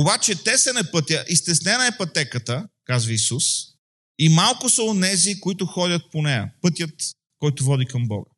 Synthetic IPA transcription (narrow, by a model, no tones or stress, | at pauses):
obat͡ʃɛt̪ɛsɐnɛpɤt̪ʲjəʔist̪ɛsnɛnəɛpɐt̪ɛkət̪əkazvɐisus | imalˠkʊsɐonɛzikoit̪ʊxɔd̪ʲət̪̚ponɛjə̰pɤt̪ʲjət̪ | kɔjt̪ʊvɔd̪ikɐmbɔ̰ɡə